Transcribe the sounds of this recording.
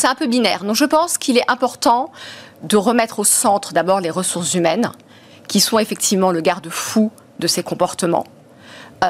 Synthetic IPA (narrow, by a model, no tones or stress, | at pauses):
sɛt̪ɛ̃pøbinɛːʁd̪ɔ̃ʒəpɑ̃skʰilɛʔɛ̃pɔʁt̪ɑ̃ | d̪əʁəmɛt̪χosɑ̃t̪χd̪abɔʁleʁəsuʁszymɛn | kʲisɔ̃efɛk̚t̪ʰivmɑ̃ləɡaʁd̪əfu | d̪əsekɔ̃pɔʁt̪əmɑ̰̃